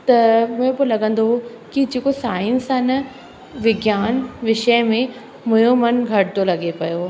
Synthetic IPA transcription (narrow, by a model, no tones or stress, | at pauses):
t̪ɐmʊ̃ɦẽpoːlɐɡə̃nd̪o | kid͡ʑeːkosaːɪnsanɐ | ʋɪɡjaːnʋɪʃəmẽ | mʊ̃jomɐnɡʱɐɽɪt̪olɐɡepɐjo